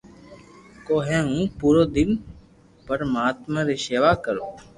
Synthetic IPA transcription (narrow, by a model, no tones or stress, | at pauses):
koːɦɛ̃ːũːpuːɾoːd̪ɪn | pəɾmaːt̪mãːɾɪseːʋaːkəɾoː